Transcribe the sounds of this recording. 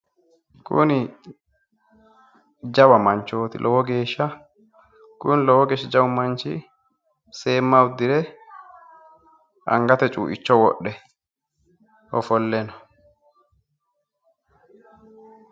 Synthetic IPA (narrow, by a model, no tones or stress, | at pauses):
kʊ̰nɪ | d͡ʒɐwɐmɐnt͡ʃːo̞ːt̪ɪ̰lʔɔwɔɡe̞ːʃːɐ | kʊnlɔwɔɡeːʃːɪd͡ʒɐwʊmɐnt͡ʃɪ | se̞ːmːɐwʊd̪ɪɾɛ | ʔɐ̰ŋɡɐt̪ɛt͡ʃʼṵːʔɪt͡ʃːɔwɔɗɛ | ɔfɔlːɛnɔ